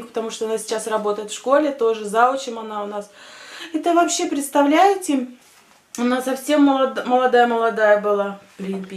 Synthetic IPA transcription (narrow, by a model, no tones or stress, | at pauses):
kpət̪ɐmuʂt̪oɐnasʲɪ̥t͡ɕasrɐbo̞t̪əjɪt̪fʂko̞lʲɪt̪o̞ʐɨzaot͡ɕɪmɐnaʊnasɛt̪əvɐpɕːe̞pɾʲɪt̪st̪ɐvlʲæjɪtʲɪ | ʊnasɐfsʲe̞mːlˠɐməlˠɐd̪ajəməlˠɐd̪ajəbɨlˠapɾʲɪbʲ